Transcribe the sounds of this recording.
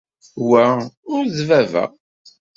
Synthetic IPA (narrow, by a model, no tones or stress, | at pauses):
wæʊɾðvævæ̰